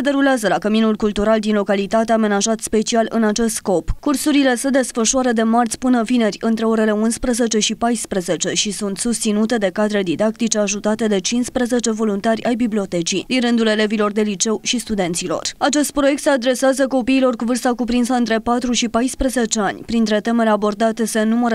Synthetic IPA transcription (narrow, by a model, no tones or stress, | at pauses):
ed̪e̞ɾuleazəlakəminulkult̪uɾald̪inlo̞kalit̪at̪eame̞naʒat̪spe̞t͡ʃialɨnat͡ʃe̞st̪sko̞pkursuɾile̞se̞d̪e̞sfəʃuaɾəd̪e̞mart̪sʲpɨnəvine̞rʲɨnt̪ɾe̞o̞ɾe̞le̞unspɾəze̞t͡ʃe̞ʃipajspɾəze̞t͡ʃe̞ʃisunt̪sust̪sinut̪e̞d̪e̞kad̪ɾed̪id̪ak̚t̪it͡ʃe̞aʒut̪at̪e̞d̪e̞t͡ʃinspɾəze̞t͡ʃe̞vo̞lunt̪arʲajbiblio̞t̪e̞t͡ʃid̪inɾɨnd̪ule̞le̞vilo̞rd̪e̞lit͡ʃe̞wʃist̪ud̪e̞nt̪silo̞̰rat͡ʃe̞st̪̚pɾo̞je̞k̚t̪sead̪ɾe̞seazəko̞piːlo̞rkuvɨrst̪akupɾinsəɨnt̪ɾe̞pat̪ɾuʃipajspɾəze̞t͡ʃe̞anʲpɾint̪ɾe̞t̪e̞me̞ɾeabo̞rd̪at̪ese̞numəɾ